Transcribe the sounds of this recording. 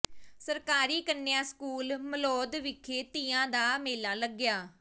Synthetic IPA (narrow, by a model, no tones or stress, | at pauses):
səɾkaːɾiːkənːɪjãːskuːlməlɔːd̪ʋɪkʰːeːt̪iːãːd̪aːmeːlãːləɡːjaː